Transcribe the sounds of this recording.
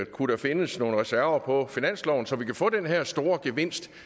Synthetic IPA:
kʰudæfe̝nəsno̝ːn̩ʁɛsæɐ̰ʋɐpʰɒ̽finæn̰slɒʊn̩sɒ̽ʋikʰæfɔ̰̽ːd̥enɦæɐ̰sd̥o̝ːɐɡ̥eʋe̝n̰sd̥

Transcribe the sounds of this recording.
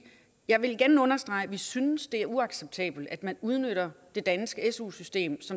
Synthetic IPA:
jɑ̈ɪʋe̝lɡ̥æɐnəɔ̽nɐsd̥ʁɑ̈ɪʋisynsd̥e̝æɐuɑ̈ɡ̥seb̥̚t͡sʰɛ̰ːb̥l̩d̥æd̥mænuð̞ˠnøɾ̥ɐd̥e̝d̥ænsɡ̥əesṵsysd̥e̝̰ːmsɒ̽

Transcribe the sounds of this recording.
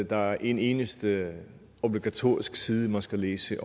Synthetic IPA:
d̥ɑ̈æɐʔe̝ne̝ːnəsd̥ə | o̝b̥liɡ̥æt͡sʰo̝̰ɐisɡ̥siːð̞ˠəmænsɡ̥æleːsəʔ

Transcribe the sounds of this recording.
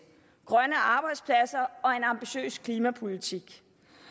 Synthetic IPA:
ɡ̥ʁɶnəɑ̈ːb̥ɑ̈ɪd̥spʰlæsɐɒ̽e̝nɑ̈mb̥iɕø̰ːskʰliːmæpʰo̝lit͡sʰiɡ̥

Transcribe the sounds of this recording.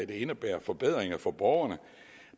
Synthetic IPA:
æd̥e̝e̝nəb̥æːɐfɒ̽b̥eð̰ˠʁeŋɐfɒ̽b̥ɒʊɐnə

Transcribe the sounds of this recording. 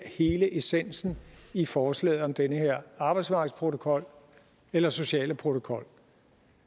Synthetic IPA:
he̝ːləʔesen̰sn̩ifɒːslɛ̰ːð̩ˠɒ̽md̥enəheɐ̰ɑ̈ːb̥ɑɪdsmɑ̈ɡ̥əspʰʁo̝t͡sʰo̝kʰɒ̽l̰ | elɐso̝ɕɛ̰ːləpʰʁo̝t͡sʰo̝kʰɒ̽l̰

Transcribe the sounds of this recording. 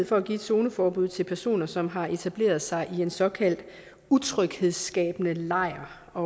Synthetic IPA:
ð̩̰ˠfɒ̽æɡ̥ḭːe̝d̥so̝ːnəfɒːb̥uð̰ˠt͡sʰelpʰæɐso̝̰ːnɐsɒ̽mɦɑ̈ʔe̝t͡sʰæb̥le̝̰ːɐð̞̩ˠsɑ̈ɪʔie̝nsɒ̽kʰæl̰d̥ | ut͡sʰʁœɡ̥he̝ðˠsɡ̥ɛ̰ːb̥ənəlɑ̈ɪ̰ɐ | ɒ̽

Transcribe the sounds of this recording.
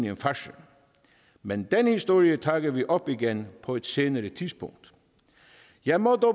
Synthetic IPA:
niənfæʃə | mend̪̥enhisd̥o̝ːɹiətʰɑːɡ̥ɐʋiʔɒb̥iɡenpʰɒ̽ed̥seːnəɾətʰisb̥ʰɔŋd̥ | jɑæɪmɔd̪ɔ

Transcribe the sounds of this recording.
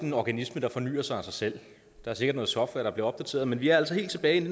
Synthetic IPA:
enɒɡ̥ænisməd̥ɑ̈fɒ̽ny̰ːɐsɑ̈ɪæsɑ̈ɪsel̰ | d̥ɑ̈æɐse̝ɡ̥ɐd̥nɔ̽ð̩sɒfʋæɐɾ̥ɑb̥liɐɒ̽b̥d̥æt͡sʰe̝̰ɐðˠmenʋiæɐæl̰sɒhe̝̰ːlt͡sʰe̝b̥ɛːɪene

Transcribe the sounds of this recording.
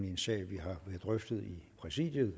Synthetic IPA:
nensɛ̰ːɪʋiɦɑ̈ʋæɐðˠd̥ʁœfd̥ð̩ˠipʰʁɛsḭd̥jəð̩ˠ

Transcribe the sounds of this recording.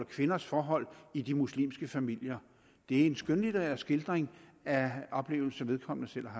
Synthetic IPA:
lɐkʰʋe̝nɐsfɒːɦɒ̽l̰id̥imuslḭːmsɡ̥əfæmil̰jɐ | d̥e̝æɐe̝nsɡ̥ønlidʰeʁɛ̰ːɐsɡ̥e̝ld̥ʁeŋæɒ̽b̥le̝̰ːʊl̩sɐʋe̝ð̞ˠkʰɒ̽m̰nəsel̰ɐɦɑ

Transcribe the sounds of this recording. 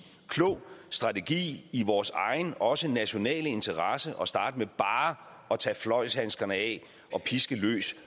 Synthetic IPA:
kʰlo̰ːsd̥ʁɑ̈t͡sʰe̝ɡ̥ḭːiʋɒːsɑ̈ɪn̩ɒ̽sənæɕo̝nɛ̰ːləe̝nt͡sʰɐʁɑsəʔɒ̽sd̥ɑ̈ːd̥əmeb̥ɑ̈ː | ʔɒ̽t͡sʰɛːflɒ̽ɪshænsɡ̥ɐnəɛ | ʔɒ̽pʰisɡ̥əlø̰ːs

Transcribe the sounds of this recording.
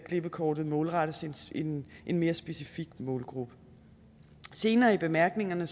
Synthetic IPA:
kʰle̝b̥əkʰɒːd̥ð̩ˠmɔ̽ːlʁɑɾ̥əsenenʔenme̝ːɐsb̥e̝sifiɡ̥mɔ̽ːlɡ̥ʁub̥ə̥ | se̝ːnɐːib̥e̝mæɐ̰ɡ̥ne̝ŋɐnə

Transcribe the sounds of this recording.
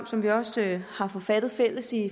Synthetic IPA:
msɒ̽mʋiɒ̽shɑ̈fɒ̽fæd̥ð̞̩ˠfel̰əsi

